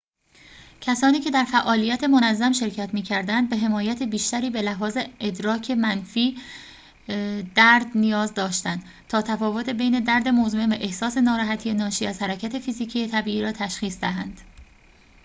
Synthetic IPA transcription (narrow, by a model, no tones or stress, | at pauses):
cʰæsɒːniːcʰe̞d̪æɾfæʔɒːlijæt̪ʰe̞monæzːæmʃe̞ɾcʰæt̪miːcʰæɾd̪ænd̪̚be̞ɦe̞mɒːjæt̪ʰebiːʃt̪æɾiːbe̞læɦɒːze̞ed̪ɾɒːcʰe̞mænfiː | d̪̥æɾd̪nijɒːzd̪ɒːʃt̪ænd̪̥ | t̪ʰɒːt̪ʰæfɒːvo̞t̪ʰebe̞jne̞d̪æɾd̪e̞mozumenvæʔe̞hsɒːse̞nɒːɾɒːɦæt̪ʰijenɒːʃiːæz̥hæɾæcʰæt̪ʰe̞fiːziːcʰiːjet̪ʰæbiːʔiːɾɒːt̪ʰæʃxiːsd̪æɦænd̪̥